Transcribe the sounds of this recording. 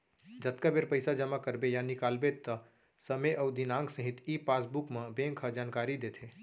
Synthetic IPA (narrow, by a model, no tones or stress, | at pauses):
d͡ʒət̪kabeɾpəjsad͡ʒəmakəɾbejanikalbet̪ːə | səmeʔɔud̪inãŋɡsəɦit̪ʰipasbukmebẽŋkʰəd͡ʒaːnkaɾid̪et̪ʰe